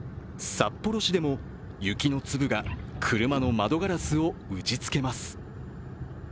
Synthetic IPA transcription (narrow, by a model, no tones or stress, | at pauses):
sapːo̞ɾo̞ɕid̪e̞mo̞ | jɯ̟kʲino̞t͡sɨbɯ̟ɡakʰɯ̟ɾɯ̟mano̞mad̪o̞ɡaɾasɨo̞ɯ̟t͡ɕit͡sɨ̥ke̞masɨ̥